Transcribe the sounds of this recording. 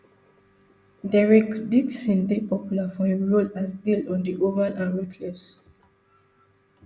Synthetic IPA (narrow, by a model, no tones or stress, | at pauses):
dɛɹɛkdiksĩndepɔpjulafɔeɹolasdildɔ̃ndiʔovanʔãnɹɛkʰlɛs